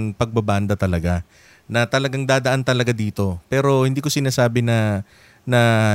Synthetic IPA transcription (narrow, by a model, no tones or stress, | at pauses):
ŋpɐɡ̚bɐband̪ɐt̪ɐlɐɡa | nɐt̪ɐlɐɡaŋd̪aːd̪ɐʔant̪ɐlɐɡad̪iːt̪o̞pɛːɾo̞hɪnd̪iːko̞sɪnaːsaːbɪnɐ | nɐ